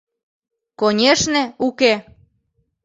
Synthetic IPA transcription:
konʲeʃnĕuke

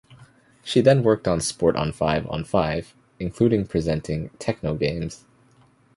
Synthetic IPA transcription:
ʃiðɨ̃nwɜ˞k̚tn̩spɔɹɾ̃n̩faɪṽ̰n̩faɪv̥ | ɨ̃nkʰl̥uɾɪ̃ŋpʰɹ̥izɛ̃ntʰɪ̃ŋtʰɛk̚noʊɡẽɪ̃mz̥

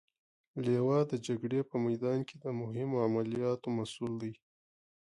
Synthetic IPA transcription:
lewɑd̪əd͡ʒaɡɽepəmajd̪ɑnkʰed̪əmʊɦɪmoamalijɑt̪omasuld̪aj

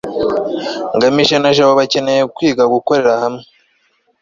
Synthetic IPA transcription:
ŋɡamiʃenaʒaβoβace̞nejekwiːɡaɡuko̞ɾe̞ɾahamŋe

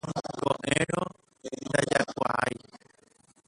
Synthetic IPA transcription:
kõʔẽɾ̃õ | nd̪ad͡ʒakʷaaj

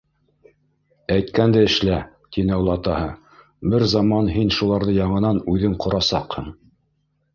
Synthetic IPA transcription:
æjt̪kænd̪ɘɘ̆ʃlæ | t̪inɘɑwlˠɑt̪ɑhɤ | bɘɾzɑmɑnɦinʃulˠɑɾðɤjɑɴɤ̆nɑnʉðɘŋqŏɾɑsɑ̰qhɤm

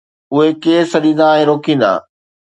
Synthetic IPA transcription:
ʊɦekeːsɐɗĩnd̪aɛ̃ːɾoːkĩnd̪a̰ː

